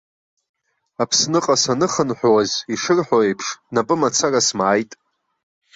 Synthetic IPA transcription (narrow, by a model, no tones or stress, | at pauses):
apʰsnɨqʼasanɨχənħʷᶣwaziʂɨrħʷᶣoejpʰʂnapʼɨmat͡sʰarasmaːjtʼ